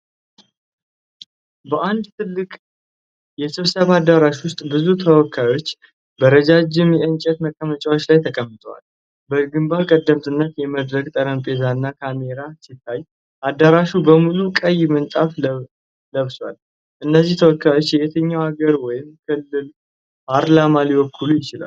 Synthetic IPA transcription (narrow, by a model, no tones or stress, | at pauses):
bəʔand̪t̪ʰɨlːɨkʼ | jɛsɨβsəβad̪aɾaʃwʊst̪ʼbɨzut̪ʰəwɔkʰːajo̞t͡ʃː | bəɾəd͡ʒad͡ʒɪmjɛʔɨnt͡ʃʼɛt̪məkʼːəmət͡ʃʼawo̞t͡ʃːlajt̪ʰəkʼəmːɨt̪ʼəwa̰l | bəɡɨmbaɾkʼəd̪ːəmt̪ʰɨnːət̪jɛməd̪ɾəkt̪ʼəɾəmpʼe̞zanːakʰame̞ɾasɪt̪ʰːaj | ʔad̪ːaɾaʃubəmulukʼəjːmɨnt̪ʼaf | ləβswal | ʔɨnːəzːiht̪ʰəwɔkʰːajo̞t͡ʃːjɛjɛt̪ʰəɲːawaɡəɾwɔjɪmkʰɨlːɨl | pʰaɾlamaliwɔkʰːulujɪt͡ʃɪla̰